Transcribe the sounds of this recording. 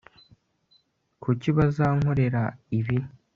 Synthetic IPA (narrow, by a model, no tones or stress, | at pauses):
kʰuciβazaːŋho̞ɾe̞ɾaiβi